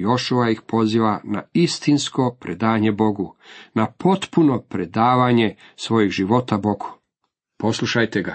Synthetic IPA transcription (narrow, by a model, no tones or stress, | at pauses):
jo̞ʃuʋajixpo̞ziʋanaist̪inskopɾed̪aːɲebo̞ɡunapo̞t̪puno̞pɾe̞d̪aːʋaɲe̞sʋo̞jiɣʒiʋo̞t̪abo̞ɡ̥u̥ | po̞slˠuʃajt̪eɡa